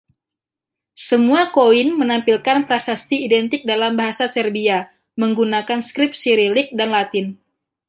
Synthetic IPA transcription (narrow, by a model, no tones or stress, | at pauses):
səmuakoɪnmənampilkanpɾasast̪iːdɛnt̪ɪk̚dalambaɦasasɛrbia | məŋɡunakanskɾɪp̚siɾilɪk̚danlat̪ɪn